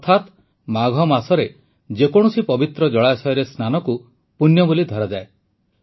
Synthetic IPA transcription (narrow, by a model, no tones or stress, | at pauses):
t̪ʰat̪ | maɡʱɔmasɔɾe | d͡ʒekɔɽ̃ɔsipɔbit̪ɾɔd͡ʒɔɭasɔɔɾesnanɔku | punjɔbolid̪ʱɔɾad͡ʒae